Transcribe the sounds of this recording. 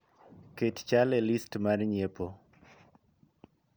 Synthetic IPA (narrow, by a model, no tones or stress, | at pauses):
kett͡ʃalɛlistmarɲepo